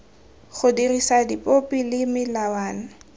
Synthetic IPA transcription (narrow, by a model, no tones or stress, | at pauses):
χʊdirisadipʼopʼilɪmɪlawaːna